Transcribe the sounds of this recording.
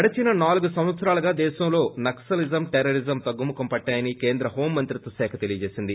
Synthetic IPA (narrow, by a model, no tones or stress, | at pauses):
ɐɽɐt͡ʃinɐnaːluɡusɐ̃w̃ʋɐt̪sɐɾaːlɐɡaːd̪ɛːʃɐmlo̞ːnɐksɐlizɐmʈeɾɐɾizɐmt̪ɐɡːumːukɐmpɐʈːaːjɐnikeːnd̪ɾɐɦo̞ːmːɐnt̪ɾit̪ːɐsɛːkʰɐt̪elijɐd͡ʒeːsind̪i